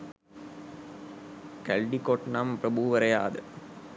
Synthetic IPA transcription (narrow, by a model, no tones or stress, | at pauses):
kælɖikoʈnamprɐbuʋɐɾɐjaːd̪ə